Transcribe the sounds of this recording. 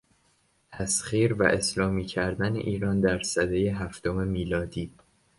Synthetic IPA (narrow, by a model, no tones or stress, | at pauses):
t̪ʰæsχiːɾvæ̰ʔe̞slɒːmiːcʰæɾd̪ænḛʔiːɾɒːnd̪æɾsæd̪ejeɦæft̪o̞me̞miːlɒːd̪iː